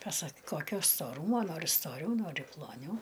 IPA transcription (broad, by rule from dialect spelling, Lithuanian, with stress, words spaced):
pɐˈsɐk ˈkoːkʲoː stoːˈruːmoː ˈnoːrʲɪ stoːˈrʲɛʊ ˈnoːrʲɪ plˠoːˈnʲɛʊ